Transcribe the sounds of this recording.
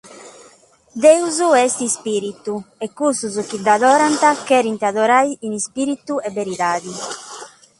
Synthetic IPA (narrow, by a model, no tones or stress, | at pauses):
d̪ɛuzuɛst̪ispiːɾit̪uɛkːust̪uzuk̟id̪aðɔːɾant̪akɛːɾint̪iaðɔɾajinispiːɾit̪uɛvːeɾit̪aːði